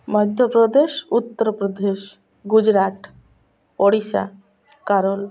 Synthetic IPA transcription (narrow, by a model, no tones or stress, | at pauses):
mɔd̪ʱjopɾɔd̪eʃut̪ːəɾpɾod̪eʃ | ɡud͡ʑɾaʈ | oɽiʃa̰ | kaɾol